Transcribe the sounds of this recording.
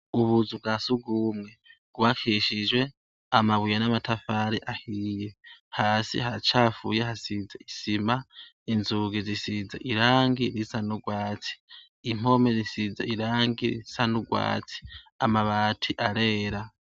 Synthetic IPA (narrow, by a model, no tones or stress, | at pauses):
uβuzub̚ɡasuɡumŋeɡ̥uβakʰiʃid͡ʒwe̞ | amaβujanamatafaɾiʔahiːje̞haːsḭɦat͡ʃaːfṵːjehasid͡zaisima | inzuɡizisizaʔiɾaːŋɡiɾisanuɡwaːt͡si̥ː | m̥o̞mezisizaiɾaːŋɡiɾḭsanuɡwa̰ːt͡si̥ | amaβaːtʰiʔaɾe̞ːɾa